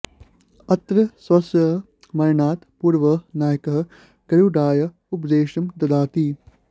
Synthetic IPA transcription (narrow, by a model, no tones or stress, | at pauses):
ɐt̪ɾɐsʋɐsjɐɦ | mɐɾnaːt̪puːɾʋɐnaːjɐkɐɦɐ | ɡ̥ɐɾuːɖaːjɐ | upd̪eːʃɐmd̪ɐd̪aːt̪iː